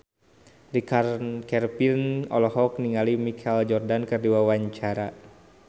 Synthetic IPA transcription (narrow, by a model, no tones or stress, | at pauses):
ɾikarkɛrpinɔ̰lɔɦɔk̚niŋalimikʰɛld͡ʒɔrdankɨrdiwawaɲt͡ʃaɾa